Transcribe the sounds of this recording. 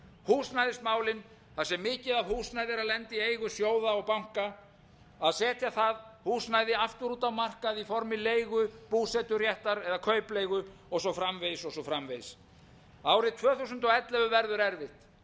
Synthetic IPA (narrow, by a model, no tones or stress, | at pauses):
huːsnajðɪst̪maːwlɪn | θasɛmːɪːcɪðaðhuːsnaːjðɪɾaðlɛnt̪ɪejɣʏsjoːwðaɔɣpawŋ̥ka | aðsɛːt̪ʰjaθaðhuːsnaːjðɪaft̪ʏɾuːt̪awmar̥kaðifɔɾmɪleːjɣʏpuːsɛt̪ʏrjɛht̪aɾɛðakʰœːɥplejɣʏɔɣsɔfɾamvejsɔɣsɔfɾamvejs | aːwɾɪðt̪ʰvœːθusʏnt̪ɔɣɛt̪lɛvʏvɛɾðʏɾɛɾvɪht̪